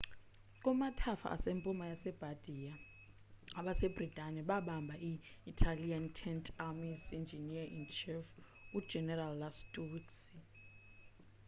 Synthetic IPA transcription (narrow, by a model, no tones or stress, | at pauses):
k̬ʼɔmatʰafa̰ʔa̰sempʼumajasɛb̥ʱad̥ʱia | aɓasebritʼanɛɓaɓambʱaʔiːtʰaliantʰɛntʰʼamizind͡ʒʱiniaint͡ʃʰif | u̥d͡ʒʱɛnɛralːastʰʼuwiksi